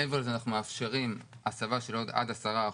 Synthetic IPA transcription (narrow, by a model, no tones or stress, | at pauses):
eveʁlezeanaχnumeafʃe̞ʁim | asavaʃe̞lo̞d̪a̰d̪asaʁa